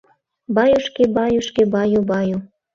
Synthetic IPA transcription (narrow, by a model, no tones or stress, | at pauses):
bɑjuʃkebɑjuʃkebɑjobɑjo